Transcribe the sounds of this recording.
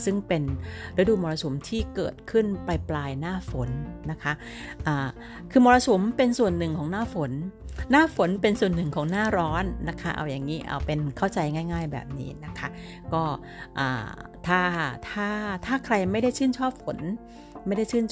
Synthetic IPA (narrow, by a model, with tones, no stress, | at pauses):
sɯ˥˩ŋpe˧nɾa˦˥duː˧mɔː˧ɾa˧so˨˩˦mt̪ʰiː˥˩kɤ̰ː˨˩t̪̚kʰɯ˥˩npa˧jplaː˧jnaː˥˩fo˨˩˦nːa˦˥kʰa˦˥ | ʔaː˨˩ | kʰɯː˧mɔː˧ɾa˧sʰo˩˦mpe˧nsu˨˩ənːɯ˨˩ŋkʰɔː˩˦ŋnaː˥˩fo˩˦nː | aː˥˩fo˩˦npe˧nsu˨˩ənːɯ˨˩ŋkʰɔː˩˦ŋnaː˥˩ɾɔː˦˥nːa˦˥kʰa˦˥ʔa̰˧wjaː˨˩ŋːiː˦˥ʔa̰ː˧˩wpe˧nkʰa˥˩wt͡ɕa˧jŋaː˥˩jŋaː˥˩jbɛ̰ː˨˩p̚nḭː˦˥na˦˥kʰa˦˥ | kɔː˥˩ | ʔa̰ː˨˩t̪ʰaː˥˩t̪ʰaː˥˩t̪ʰaː˥˩kʰɾa˧jma˥˩jda˥˩jt͡ɕʰɯː˥˩nt͡ɕʰɔː˥˩p̚fo˩˦n | ma˥˩jda˥˩jt͡ɕʰɯː˥˩nʰ